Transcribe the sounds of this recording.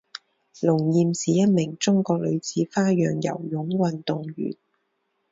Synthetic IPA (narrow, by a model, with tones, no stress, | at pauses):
lʊ˨˩ŋjiː˨˧msiː˨jɐ˥t̚mɪ˨˩ŋt͡sʊ˥ŋkɔː˧k̚lɵ˨˧ɥt͡sʰiː˨˥faː˥jœː˨ŋjɐ̰˨˩wjʊ˨˥ŋwɐ˨nt̪ʊ˨ŋɥy̰ː˨˩n